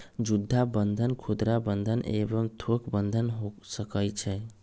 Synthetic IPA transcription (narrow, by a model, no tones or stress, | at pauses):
d͡ʒud̪ʱːabənd̪ʱənkʰud̪ɾabənd̪ʱənʔḛbəmt̪ʰokbənd̪ʱənɦosəkəjt͡ʃʰɛ